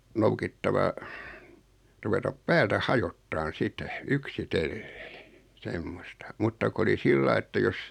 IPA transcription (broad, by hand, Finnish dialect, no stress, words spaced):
noukitːɑʋɑ ruʋetɑp pæːltæ hɑjotːɑːn sitɛ yksitelːe̥ː semːostɑ mutːɑ ko oli silːɑi etːæ jos